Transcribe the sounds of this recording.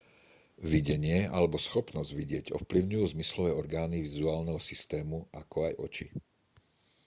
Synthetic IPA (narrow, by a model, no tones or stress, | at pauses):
ʋiɟɛɲɪɛa̰lɛbɔsxɔpnɔzɟʋiɟɪɛɟɔ̰fpliʊɲujuːzmislɔʋɛːɔɾɡaːniʋizuaːlnɛɦɔsist̪ɛːmuʔakʰɔajʔɔt͡ʃḭ